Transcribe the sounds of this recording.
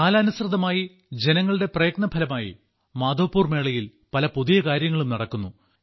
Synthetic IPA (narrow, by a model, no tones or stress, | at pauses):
kaːlɐːnusrɨðɐmaːji | d͡ʑe̞nɐŋːɐɭɨɽe̞prɐjɐɡ̚nɐbʱɐlɐmaːjḭ | maːd̪o̞ːpːuːrme̞ːɭɐjil | pɐlɐpuðijɐkaːɾjɐŋːɐɭumnɐɽɐkːunːu